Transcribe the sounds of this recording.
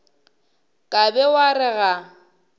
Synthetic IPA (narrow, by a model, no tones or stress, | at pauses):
kʼabɛwarɪɣa